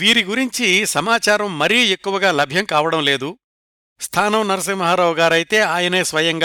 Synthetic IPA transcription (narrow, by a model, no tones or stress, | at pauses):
ʋiːɾiɡuɾiɲt͡ʃisɐmaːt͡ʃaːɾɐmːɐɾijekːuʋɐɡaːlɐbʱjɐmkaːʋɐɽɐmle̞ːd̪u | st̪ʰaːnɐmnɐɾɐs̬ɐmɐɦaːɾɐʋɡaːɾɐjit̪e̞ːaːjɐneːsʋɐjɐŋɡaː